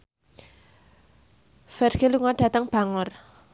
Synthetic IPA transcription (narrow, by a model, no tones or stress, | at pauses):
fɛrɡ̥eluŋɔɖ̥a̤t̪əŋb̥a̤ŋɔr